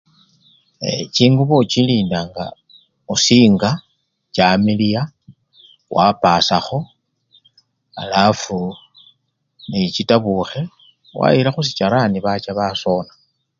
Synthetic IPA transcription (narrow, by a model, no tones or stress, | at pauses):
et͡ʃiːŋɡuβot͡ʃiliːndaŋɡa̰ | usiːŋɡa | t͡ʃamilija | wʔapaːsaxo̞ | a̰lafu | nit͡ʃitaβuxe̞ | wa̰ilaxus̬it͡ʃaɾaniβat͡ʃaβaso̞na